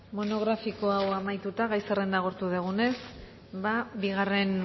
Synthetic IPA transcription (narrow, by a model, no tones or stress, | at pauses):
mo̞no̞ɣ̞ɾafiko̞awamajt̪ut̪aɣajsere̞nd̪aɣ̞o̞ɾt̪uðeɣ̞une̞s | babiɣare̞n